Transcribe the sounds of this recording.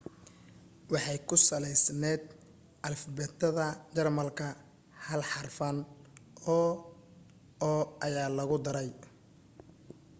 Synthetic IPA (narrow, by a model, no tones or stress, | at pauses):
wɑħɑjkʰʊsɐlɛjsnɛːd̪̚ | ʔɐlfɐbɛːt̪ʰːɐðɐt͡ʃɐrmɐlkʰɐ | hɐlħɑrfɐn | ɔː | ɐjaːlɐɣʊd̪ɐɾɛj